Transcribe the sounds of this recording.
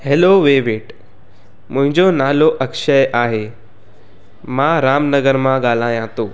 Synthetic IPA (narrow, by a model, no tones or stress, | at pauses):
heːloʋeːʋeːʈ | mʊ̃ɦɪ̃ɲd͡ʑonaːloʔɐkʃəjʔaːɦeː | mãːɾaːmnɐɡəɾmãɠaːl̤aːjãt̪ʰoː